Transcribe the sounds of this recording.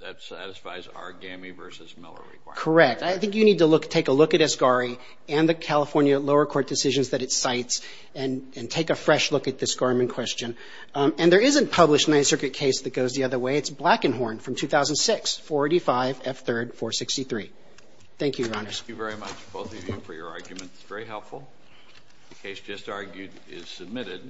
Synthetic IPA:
ðɨ̰tsæ̰ɾɨsfa̰ɪz̰ə̰˞ɡæ̃mivɜ̰˞sɨzmɪ̰lˠə̰˞ɹḭw̥akʰə˞ɛk̚taɪθɪ̃ŋkjɨnid̚təlʊktʰeɪkəlʊkɨɾɨsɡ̥ɑɹi | ɨ̃nðɨkʰælˠəfɔɹnjɨloʊə˞kʰɔɹt̚d̥ɨsɪʒɨ̃nzðɨɾɨtsaɪts | ɨ̃nɨ̃ntʰeɪkɨfɹɛʃlʊkɨt̪̚ðɪsɡ̥ɑɹmɨ̃nkʰw̥ɛst͡ʃɨ̃n | ɨ̃nðə˞ɪzɨ̃npʰʌblɨʃnãɪsɜ˞kɹɨt̚kʰeɪsðɨt̚ɡ̥oʊzðiʌðə˞weɪɨtsb̥lækɨ̃nɦɔɹnfɹʌ̃mtʰʉθaʊz̃n̩d̥sɪksfɔɹeɪɾifaɪvɛfθɜ˞d̥fɔɹsɪkstiθɹi | θæ̃ŋkʰjʉjə˞ɑnə˞zvɛɹimʌt͡ʃb̥oʊθʌvjʉfə̰˞jə̰˞ɑ̰ɹɡjmɨ̃ntɨ̥sv̥ɛɹiɦɛlˠpfl̩ˠ | ðɨkʰeɪsd̥ʒ̥ʌstɑɹɡjʉɾ | ɪ̰z̥sɨb̚mɪɾɪd̥̚

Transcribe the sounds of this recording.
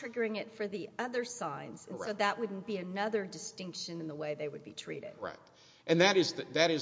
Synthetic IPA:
ɹ̥ɪɡə˞ɪ̃ŋɪtfə˞ðiʌðə˞sãɪ̃nz̥ɨ̃nsoʊðəʔ̚wʊdⁿn̩b̥iɨnʌðə˞dɨstɪ̃ŋkʃɨ̃nɨ̃nðəweɪðeɪwɨd̚bḭtʰɹ̥ḭɾɪ̰d̥ɹa̰ɪt | ʔɨ̃nðɨɾɨzðɨðɨɾɨz

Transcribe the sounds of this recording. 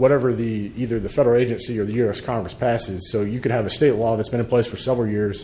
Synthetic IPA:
wʌɾɛvə˞ðiiðə˞ðɨfɛɾə˞l̩ˠeɪd͡ʒɨ̃nsiə˞ðɨjʉɛskʰɑ̃ŋɡɹɨspʰæsɪz̥soʊjɨkɨ̃nɨvɨsteɪtˡlɔðɨtsb̥ɨ̃nɨ̃npʰl̥eɪsfə˞sɛvɹl̩ˠjɪɹz̥

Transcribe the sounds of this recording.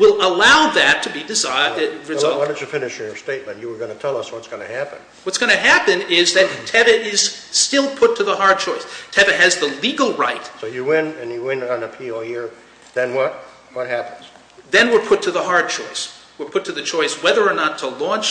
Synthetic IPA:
wɪlˠəlaʊðɨtʰɨbidɨzaɹɨzwɑ̃nɨt͡ʃɨfɪ̃nɨʃə˞steɪt̚mɨ̃nt͡ʃɨwə˞ɡʌnɨtʰɛlˠʌswʌtsɡ̥ʌnɨ̰hæpɨ̰̃n | wʌtsɡ̥ʌñɨɦæpɨ̃nɪzðɨtʰɛvɨʔɪz̥stɪlˠpʰʊtʰɨðəhɑɹd̚t͡ʃʰɔɪstʰɛvɨɨzðəliɡl̩ˠɹaɪt̚soʊjɨwɪ̃nɨ̃njɨwɪ̃nn̩ɨpʰioʊjɪɹ | ðɨ̃nwʌt̚ | wʌt̚hæpə̃n̩z̥ | ðɨ̃nwɪɹpʰʊtʰɨðəɦɑɹd̚t͡ʃʰɔɪs | wəɹpʰʊtʰɨðɨt͡ʃʰɔɪswɛðə˞ːnətʰəlɔ̃nt͡ʃ

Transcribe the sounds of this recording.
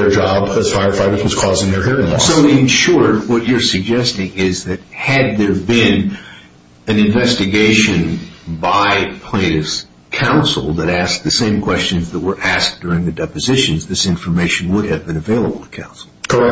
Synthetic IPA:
ə˞d͡ʒɑbɨz̥faɪəfaɪɾəzwʌz̥kʰɔzɪ̃ŋðə˞hiɹɪ̃ŋlɔ̰soʊɨ̃nʃʊɹdwʌt͡ʃə˞sɨɡ̚d͡ʒɛstɪ̃ŋɪzðɨt̚hɨd̪̚ðə˞bɪ̃n | ɨ̃nɨ̃ɱvɛstɨɡeɪʃɨ̃nbaɪpʰl̥ẽɪ̃ñɨ̥ | kʰãʊ̃nsl̩ˠðɨɾæsk̚ðɨsẽɪ̃mkʰw̥ɛst͡ʃɨ̃nzðət̚wə˞ʔæsk̚d̥ʊɹɪ̃ŋðɨdɛpɨzɪʃɨ̃nzðɪsɪ̃ɱfə˞meɪʃɨ̃n̩wʊd̚ɨvbɨ̃nɨveɪlˠəbl̩ˠtʰə̥kʰã̰ʊ̃nsl̩ˠkʰə˞ɛ

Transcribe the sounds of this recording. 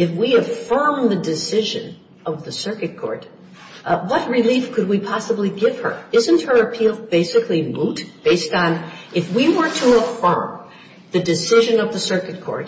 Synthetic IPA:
ɨfwiɨfɜ̃˞mðɨdɨsɪʒɨ̰̃n | ʌvðɨsɜ˞kɨt̚kʰɔ̰ɹɾ | wʌt̚ɹɪlifkʰɨd̚wipʰɑsəbliɡɪv̥ə̰˞ɪzɨ̃nt̚hə˞ɨpʰilˠb̥eɪsɨkʰlimutb̥eɪstn̩ʔɨfwiwə˞ɾəəfɜ̰̃˞m | ðɨdɨsɪʒɨ̃nʌvðɨsɜ˞kɨt̚kʰɔ̰ɹt̚

